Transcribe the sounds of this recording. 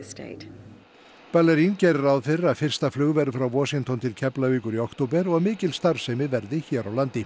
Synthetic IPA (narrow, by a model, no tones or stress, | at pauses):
stḛt | palɛɾincɛjɾʏɾawðfɪɾaðfɪr̥st̪aflʏɣvɛɾfɾawvɔːsiŋt̪ɔnt̪ʰɪlcʰɛplaviːkʏɾiɔwkt̪op̬ɛɾɔɣmɪːcɪlst̪aɾv̥sɛmvɪðvɛɾðɪçɛːɾawlant̪ɪ